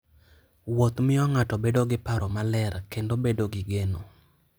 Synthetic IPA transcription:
wot̪mɪɔŋatɔbedoɡɪpaɾɔmalɛrkendobedoɡɪɡeno

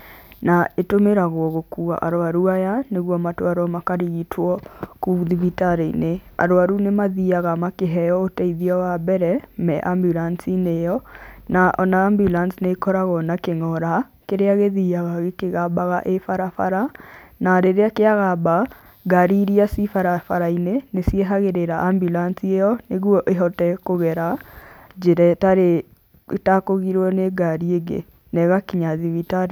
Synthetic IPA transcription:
naetomeɾaɣɔɣokua̰ʔaɾowaɾuajaneɣwɔmatwaɾɔmakaɾiɣitʰwɔkuðiβitaɾeinea̰ɾowaɾunemaðiaɣamakeɦɛjɔotɛiðiɔwabɛɾɛmɛʔambjulansinejɔnaʔɔnaːmbjulansnekɔɾaɣɔnakeŋɔɾa | keɾeaɣeðiaɣaɣekeɣabaɣaʔefaɾafaɾanaɾeɾeakeaɣaba | ɡaɾiɾiasifaɾafaɾainenesieɦaɣeɾeɾaʔambjulansiejɔneɣwɔʔeɦɔtɛkoɣɛɾad͡ʒeɾɛtaɾe | takoɣiɾwɔneɡaɾieɡḛ | nɛɣakiɲaðiwitaɾ

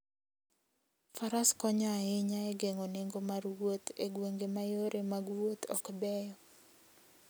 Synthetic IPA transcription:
faɾaskɔɲɔaɪɲaɛɡeŋoneŋɡomaɾwot̪eɡwoŋɡemajoɾʔemaɡwot̪ʰɔ̰kbɛjɔ

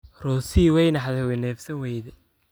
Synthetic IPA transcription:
rɔːsiːwɛjnɐħðɛwɛnɛːfsɐnwɛjðɛ

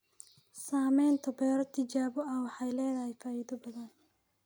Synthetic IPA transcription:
saːmɛjnt̪ʰɐbɛːɾɔt̪ʰɪd͡ʒaːbɔɐwɑħɑjlɛːðɐhɛjfaːjɪðɔbɐðɐn

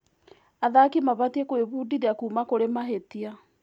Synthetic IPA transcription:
aðakimaβatiekweβuːdideakuːmakoɾemaɦetia

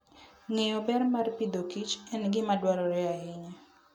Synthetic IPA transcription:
ŋejɔbɛɾmarpid̪okit͡ʃɛnɡɪmadwaɾɔɾɛaɪɲɛ

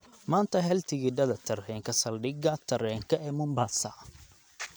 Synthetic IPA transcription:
maːnt̪ʰɐɦɛlt̪ʰɪɣɪɖɐðɐt̪ʰɐrhɛːŋkʰɐsɐlɖɪɣɐt̪ʰɐɾɛːŋkʰɐɛːmʊmbaːsɐ̰

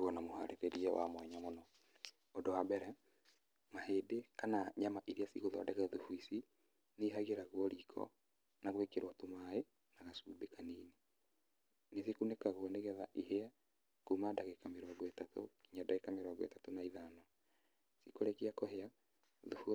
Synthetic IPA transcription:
wɔnamoha̰ɾeɾeɾiɛwʔa̰mwɛɲamonɔ | odowabɛɾɛ | maheːdekanaɲamaʔiɾiasiɣoðɔa̰dɛkɛðufwisi | neɦaɣeɾaɣwɔɾiːkʰɔ̰ | naɣwekeɾwatomae | naɣasuːbekaniːne | nes̬ikunekaɣwɔneɣɛðaʔihea | kumadaɣekameɾɔɡɔetato̰kiɲadaɣekameɾɔɡɔḛtatonaiðanɔ | sikoɾekiakohea | ðufu

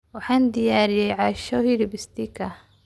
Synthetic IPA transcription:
wɑħɑːnd̪ɪjaːɾɪjɛjʕɑːʃɔhiɾɪbɪst̪ikʰɐ

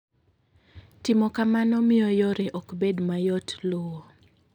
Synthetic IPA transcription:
tɪmɔkamanɔmɪɔjɔɾeʔɔkbedmajɔtlʊwɔ

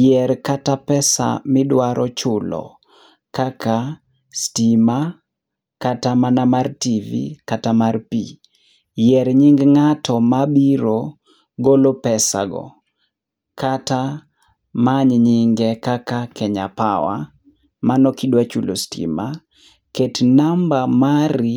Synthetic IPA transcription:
jɛɾkatapɛsa̰mɪdwaɾʔɔt͡ʃʊlɔ̰ | kaka | stima | katamanamartivḭkatamarpi | jɛɾɲɪŋɡŋatɔmabiɾo | ɡolopɛsa̰ɡɔ̰ | kata | maɲɲiɪŋɡɛkakakɛɲapawa̰ | manɔkidwat͡ʃulo̰stḭma | ketnambamaɾi

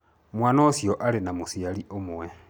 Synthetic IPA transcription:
mwaːnosjoʔalenamusialiʔomuwe

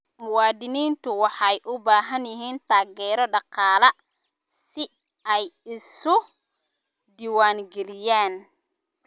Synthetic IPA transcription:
mʊwɑːd̪ɪniːnt̪ʰʊwɑħɑjʔʊbaːɦɐnjɪɦiːnt̪ʰaːɣɛːɾɔɖɑqɑːlɐ | sɪ | ɛjɪsʊ | d̪iːwaːŋɡɛlɪjaːn

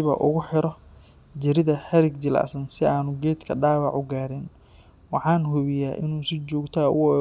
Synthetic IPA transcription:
βɐ̰ʔʊɣʊħɪɾɔ | d͡ʒɪɾɪðɐħɛɾɪɡd͡ʒɪla̰sɐnsɪaːnʊɡɛːt̪kʰɐɖaːwɑʕʊɡaːɾɪn | wɑħɑːnhʊβɪjaːʔɪnuːsɪt͡ʃɔːɡt̪ʰaːʔʊ̰wɔ

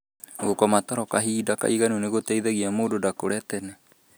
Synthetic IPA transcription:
ɣokɔmatɔɾɔkaɦiːdaka̰iɣanuneɣotɛiðɛɣiamoːdodakoɾɛtɛna

